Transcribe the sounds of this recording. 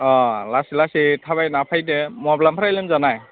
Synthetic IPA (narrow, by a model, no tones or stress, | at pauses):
ɔ̃lasilasitʰaβajnapʰajdɛmɔblampʰɾajlɛmzanaj